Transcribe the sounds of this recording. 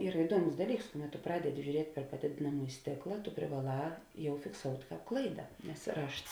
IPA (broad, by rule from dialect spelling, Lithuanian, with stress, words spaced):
ˈiːrɐ ɪˈduɔˌmʊs ˈdɑːˌlʲiːks ˈkʊˌmʲɛt tʊ ˈprɑːdʲɛˌdʲɪ ʒʲʊˈrʲiɛtʲ pʲɛr pɐˈdʲeːdʲeːnɐmuːjɪ ˈsʲtʲeːklˠɐ tʊ pʲrʲɪʋɐˈlˠɑː ˈjɛʊ fʲɪkˈsoːʊtʲ ˈklˠɐɪdɐ nʲɛs ˈrɐʃts